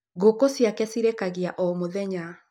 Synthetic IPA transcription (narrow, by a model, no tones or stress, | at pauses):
ɣokosjakɛsiɾekaɣiaʔɔmoðɛɲa